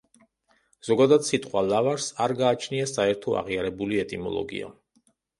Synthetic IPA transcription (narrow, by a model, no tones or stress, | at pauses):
z̥ɔɡad̪ad̪sit̪ʼqʼwalavaɾsaɾɡaːt͡ʃʰniasaɛɾt̪ʰɔa̰ʁiaɾɛbuliɛt̪ʼimɔ̰lˠɔ̰ɡḭa̰